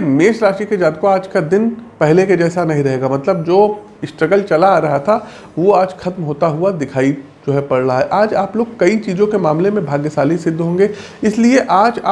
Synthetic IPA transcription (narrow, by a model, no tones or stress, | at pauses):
meːʃɾaːʃiked͡ʒaːd̪̚koaːd͡ʒkad̪ɪnpɛɦleked͡ʒɛːsanɐɦĩɾɐɦeːɡamɐt̪ləbd͡ʒoː | ɪsʈɾəɡəlt͡ʃɐlaɾɐɦat̪ʰa | ʋoaːd͡ʒxɐt̪mɦoːt̪aɦuad̪ɪkʰaːi | d͡ʒoːɦɛpɐɽɾaɦaɦɛʔaːd͡ʒaːploːɡ̚kɐit͡ʃiːzõkemaːmlemẽbʱaːɡjesaːlisɪd̪ʱːɦõːŋɡe | ɪslieʔaːd͡ʒaː